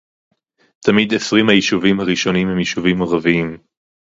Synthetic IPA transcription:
t̪ʰamid̪esʁimhajiʃuvimhaʁiʃo̞nimhemjiʃuvimaʁaviim

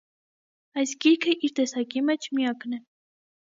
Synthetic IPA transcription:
ɑjsɡiɾkʰəʔiɾt̪ɛsɑkimɛt͡ʃʰmijɑknɛ

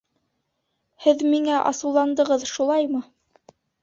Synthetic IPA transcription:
hɘðmiŋæʔɑ̰sɤ̆wlˠɑnd̪ɤ̆ʁɤðʃulˠɑjmɤ

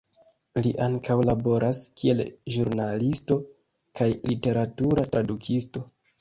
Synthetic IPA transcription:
liʔaŋkawlabo̞ɾʔaskie̞lʒuɾnalisto̞ | kajlite̞ɾatuɾatɾadukʰisto̞

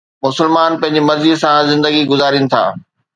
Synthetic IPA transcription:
mʊsɪlmaːnpɐ̃ɦɪ̃ɲ̆d͡ʑimɐzid̪sãzɪ̃nd̪əɡiɡʊzaːɾinɪ̆t̪ʰa̰ː

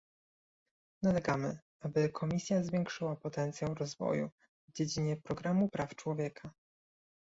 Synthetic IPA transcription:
nalɛɡamɘ | abɘkʰɔmʲisʲjazvʲjɛŋkʂɘwapɔt̪ɛnt̪sʲjawɾɔzvɔ̰jṵ | vd͡ʑed͡ʑiɲɛpɾɔɡɾamupɾaft͡ʂwɔvʲjɛkʰa

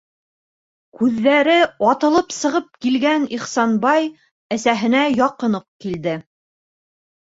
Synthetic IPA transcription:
kʉðːæɾɘɑt̪ɤ̆lˠɤpsɤ̆ʁɤp̚kilɡæniχsɑnbɑj | æsæɦɘ̆næjɑqɤ̆nɤq̚kild̪ɘ

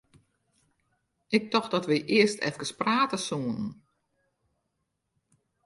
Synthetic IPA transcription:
ʔɪk̚tɔxdɔtʋəjʔɪəstʰɛ̰fkəspraːtəsuənn

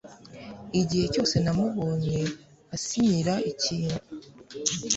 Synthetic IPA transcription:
iɟihe̞co̞ːse̞namuβoːɲe̞ | asiɲiɾaʔiciːnu

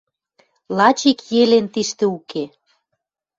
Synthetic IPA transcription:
lɑt͡ɕikjelent̪iʃt̪ĕuke

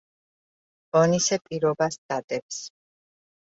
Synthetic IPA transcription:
ɔnisɛpʼiɾɔbast̪at̪ʼɛps

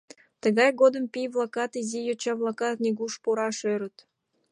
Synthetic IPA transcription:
t̪ə̆ɣɑjɡod̪əmpijβlˠɑkɑt̪izijot͡ɕɑβlˠɑkɑt̪̚nʲeɣuʃpuɾɑʃøɾə̆t̪

